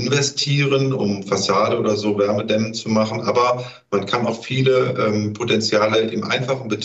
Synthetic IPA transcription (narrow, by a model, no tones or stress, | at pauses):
ɪnvɛstʰiːʁənʊmfasaːdəʔoːdɐzoːvɛɐmədɛmənt͡sumaχn̩ʔa̰ːbɐ | mankʰanaʊxfiːləʔɛːmpʰotɛnt͡sjaːləaʔḛːbm̩ʔa̰ɪnfaχn̩bət